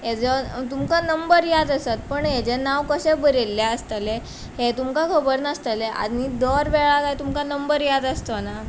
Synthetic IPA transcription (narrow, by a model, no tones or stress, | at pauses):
jed͡zɔt̪umkanəmbəɾjad̪əsat̪̚pəɳɦed͡ʑenaʋkəɕebəɾelːjaəst̪əle | het̪umkakʰəbəɾnəst̪əleʔa̰d̪niːd̪ɔɾʋeɭat̪ajt̪umkanəmbəɾjad̪əst̪ona